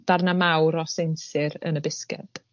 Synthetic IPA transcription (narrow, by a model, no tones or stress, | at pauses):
d̥arnamawɾɔsensɨɾə̰nəbɪskɛ̰d̥